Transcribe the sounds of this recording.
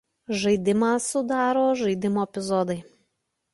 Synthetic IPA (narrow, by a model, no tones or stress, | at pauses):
ʒɐɪd̪ʲɪmɑsʊd̪ɑːɾoːʒɐɪd̪ʲɪmoːɛpʲɪzɔd̪ɐɪ